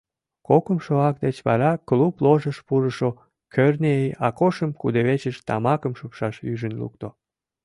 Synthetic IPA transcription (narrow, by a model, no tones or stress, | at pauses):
kokəmʃoɑk̚d̪et͡ɕβɑ̰ɾɑkluploʒəʃpuɾəʃo | kʰørneejɑkoʃəmkud̪eβet͡ɕəʃt̪ɑ̰mɑkəmʃopʃɑʃyʒənlṵkt̪o